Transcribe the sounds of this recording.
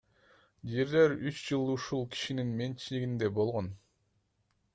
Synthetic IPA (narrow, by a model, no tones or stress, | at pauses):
d͡ʒe̞ɾle̞ɾyt͡ʃd͡ʒɯlˠuʃulˠkʰi̥ʃininme̞nt͡ʃʰiliɡind̪e̞bo̞lˠʁo̞n